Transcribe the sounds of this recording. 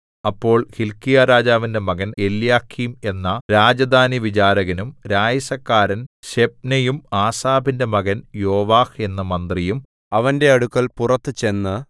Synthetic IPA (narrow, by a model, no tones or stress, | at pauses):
ɐpːo̞ːɭhilkijaɾaːd͡ʑaːʋinde̞mɐɣɐne̞ljaːkʰime̞nːɐɾaːd͡ʑɐd̪ʱaːniʋit͡ɕaːɾɐɣɐnumɾaːjɐsɐkːaːɾɐnɕe̞p̚nɐjumaːsaːbinde̞mɐɣɐnjo̞ːʋaːhe̞nːɐmɐnd̪rijum | ɐʋɐnde̞ɐɽukːɐɭpurɐt̪ːɨt͡ɕe̞nːɨ